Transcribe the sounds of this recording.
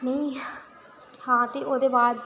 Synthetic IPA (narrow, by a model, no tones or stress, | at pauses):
nəĩː | hãːt̪eːʔoːd̪eːbaːd̪̚